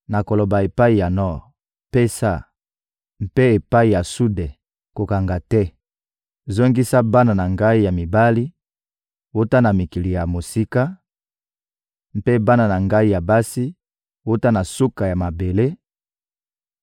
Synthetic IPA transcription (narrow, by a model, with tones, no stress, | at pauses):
na˨ko˨lo˨ba˨e˨pa˦i˨ja˨nɔ˦˨ʁ | pe˦sa˦˨ | m̩˦pe˦e˨pa˦i˨ja˨su˦dɛ˨ | ko˨ka˨ŋɡa˨tɛ˦ | zo˦ŋɡi˦sa˦ba˦na˨na˨ŋɡa˦i˦ja˨mi˨ba˦li˦ | wo˦ta˦na˨mi˨ki˨li˨ja˨mo˨si˦ka˦ | m˦pe˦ba˦na˨na˨ŋɡa˦i˦ja˨ba˦si˦ | wo˦ta˦na˨su˦ka˨ja˨ma˨be˨le˦